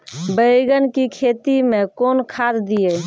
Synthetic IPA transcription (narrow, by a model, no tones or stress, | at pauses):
bəiɡənkikʰet̪imekonkʰad̪d̪ije